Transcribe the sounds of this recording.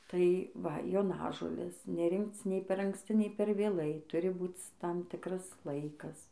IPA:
tɐɪ ˈʋɐ joːˈnɑːʒoːlʲeːs nʲɛˈrʲɪŋkt͡s nʲɛɪ pʲɛr ɐŋksʲˈt͡sʲɪ nʲɛɪ pʲɛr ʋʲeːˈlˠɐɪ ˈtʊrʲɪ ˈbuːt͡s ˈtɐm ˈtʲɪkrɐs ˈlˠɐɪkɐs

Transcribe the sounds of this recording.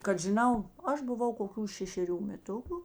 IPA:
kɐt ʒʲɪˈnɐʊ ˈɐʃ bʊˈʋɐʊ koːˈkʲuː ʃʲɛʃʲɛˈrʲuː mʲɛˈtʊkʊ

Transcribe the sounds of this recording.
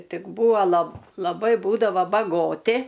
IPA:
ˈtʲɪk ˈbuːɐ lˠɐp lˠɐˈbɐɪ ˈbuːdɐʋoː bɐˈɡoːtʲɪ

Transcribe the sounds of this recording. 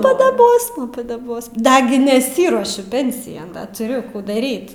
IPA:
pɐdɐˈboːsmɐ pɐdɐˈboːsmɐ ˈdɑːɡʲɪ nʲɛˈsʲiːruɔʃʲʊ ˈpʲɛnʲsʲɪjɛn ˈdɐ tʊˈrʲʊ ˈkuː dɐˈrʲiːt

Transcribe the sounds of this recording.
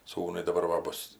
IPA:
ˈsuːnʊɪ dɐˈbɐr ʋɐ ˈbʊs

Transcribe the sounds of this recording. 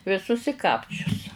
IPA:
ʋʲɪˈsʊs ɪ ˈkɑːpʲt͡ʃʲʊs

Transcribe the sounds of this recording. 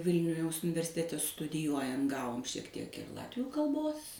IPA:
ˈʋʲɪlʲnʲʊ jɛʊs ʊnʲɪʋʲɛrʲsʲɪˈtʲæːtʲɛ stʊdʲɪˈjuɔjɛn ˈɡɑːʋoːm ʃʲiɛk ˈtʲiɛk ɪr ˈlˠɑːtʲʋʲuː kɐlˠˈboːs

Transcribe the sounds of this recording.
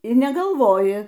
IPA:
ɪr nʲɛɡɐlˠˈʋoːjɪ

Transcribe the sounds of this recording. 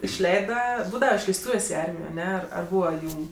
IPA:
ɪʃʲˈlʲɛɪdɐ ˈbuːdɐʋɐ ɪʃʲlʲɛɪsˈtuːʋʲeːsʲ ɪ ˈɐrʲmʲɪjoː ɐˈnʲɛ ɐr ˈbuːʋɐ ˈjuːm

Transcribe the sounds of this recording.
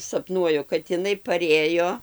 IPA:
sɐpˈnuɔjʊ kɐt ɪˈnɐɪ pɐˈrʲeːjoː

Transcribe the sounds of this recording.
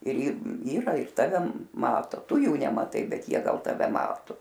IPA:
ɪr ɪr ˈiːrɐ ɪr ˈtɑːʋʲɛ ˈmɑːtoː ˈtʊ ˈjuː nʲɛmɐˈtɐɪ ˈbʲɛt ˈjiɛ ˈɡɐlˠ tɐˈʋʲɛ ˈmɑːtʊ

